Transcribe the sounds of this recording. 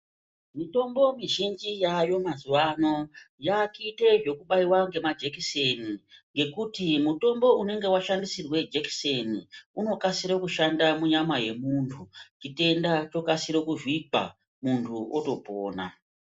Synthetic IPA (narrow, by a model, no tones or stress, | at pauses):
mito̞mbo̞miʒind͡ʒijajo̞mazuwano̞jakite̞ʐo̞kuɓaiwaŋɡe̞mad͡ʒekiseniŋɡe̞kutimuto̞mbo̞une̞ŋɡe̞waʃandisirwe̞d͡ʒeki̥seniuno̞kasiɾokuʃandamuɲamaje̞muntʰut͡ʃite̞ndat͡ʃo̞kasiɾokuʐwipa̰ | muntʰuoto̞poːna̰